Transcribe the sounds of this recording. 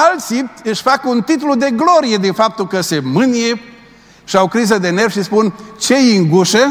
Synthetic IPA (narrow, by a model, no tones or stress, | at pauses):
alt̪sip̚t̪ɨʃʲfakəunt̪it̪lud̪e̞ɡlo̞ɾije̞d̪infap̚t̪ulkəsemɨnije̞ | ʃiaokɾizəd̪e̞ne̞rʃispunt͡ʃe̞iŋɡuʃə